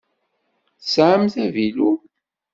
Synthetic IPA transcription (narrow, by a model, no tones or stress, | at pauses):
θsʕəmθævilu